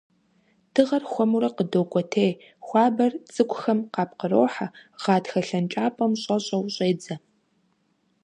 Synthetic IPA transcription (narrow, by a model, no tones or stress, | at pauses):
tʰɨʁɐrxʷɔmuɾɐqədoːkʷʼɔtʰeːj | xʷɑːbɐrt͡sʼɨkʷʼxɐmqɑːp̚qəroːħaʁ̥ɑːtxɐɬɐnt͡ʃʼaːpʼɐmɕʼɐɕʼɐwɕʼeːd͡zɐ